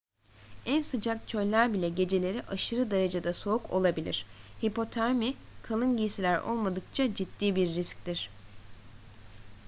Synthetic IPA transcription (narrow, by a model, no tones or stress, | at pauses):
ænsɯd͡ʒak̚t͡ʃʰø̞jlʲæɾbilʲɛɟe̞d͡ʒe̞lʲe̞ɾiʔaʃɯɾɯd̪aɾad͡ʒad̪aso̞ukʰo̞̰lˠabilʲḭɾ̝̥hipo̞t̪ʰaɾmi | kʰalˠɯnɟiːsilʲæɾo̰lˠmad̪ɯk̚t͡ʃʰad͡ʒit̪ːiːbiɾːisc̚t̪iɾ̥